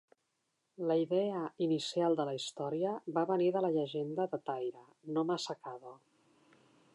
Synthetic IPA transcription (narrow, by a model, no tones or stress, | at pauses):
ləiðɛəinisialˠd̪ələist̪ɔɾiəβaβəniðələʎəʒend̪əðət̪ajɾə | nomasəkaðo